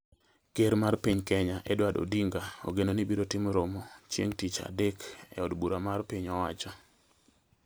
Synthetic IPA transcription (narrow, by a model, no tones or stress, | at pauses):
keɾmarpiɲkɛɲaʔɛdwado̰diŋɡao̰ɡenonibiɾotɪmɾomot͡ʃjḛŋtit͡ʃa̰dɛkɛ̰ɔdbuɾamarpiɲɔwat͡ʃɔ